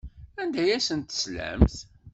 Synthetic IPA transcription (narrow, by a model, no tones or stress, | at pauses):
ænd̪æjæsənt̪ə̥slæ̰mθ